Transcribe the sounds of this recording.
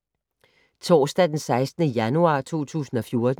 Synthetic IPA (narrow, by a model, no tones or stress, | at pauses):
t͡sʰɒ̰ːsd̥æd̥ensɑ̈ɪsd̥nəjænuɑ̰̈ːt͡sʰo̝̰ːt͡sʰṵːsn̩ɒ̽fjo̝ɐd̥